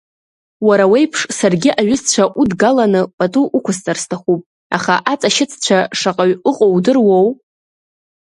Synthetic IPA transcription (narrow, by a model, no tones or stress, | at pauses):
waɾawe̞jpʰʂsarɡʲɪʔaɥʊst͡ɕʷʰaʔudɡalanɨpʼatʼuʔukʷʰʊst͡sʼarstʰaχupʼ | a̰χaʔat͡sʼaʃɪt͡sʰt͡ɕʷʰaʂaqʼaɥʊqʼowdɨrwow